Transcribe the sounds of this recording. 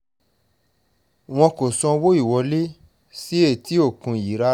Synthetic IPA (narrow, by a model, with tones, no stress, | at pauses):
w̃ɔ̃˧ko˨sɔ̃˧wo˦i˦˨wɔ˨˦le˦ | si˦e˦˨ti˦o˦˨kũ˧˨ji˨˦ɾa˦